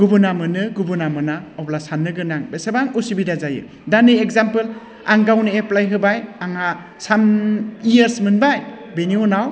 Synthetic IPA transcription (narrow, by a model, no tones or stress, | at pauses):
ɡubunamɯnɯɡubunamɯnaɔplasanːɯɡɯnaŋbesebaŋusibidazajɯ̰ | danɯjekzampɯl | a̰ŋɡawnɯeplajɦɯbajaŋa | samijeɾsmɯnbaj | beniɔnaw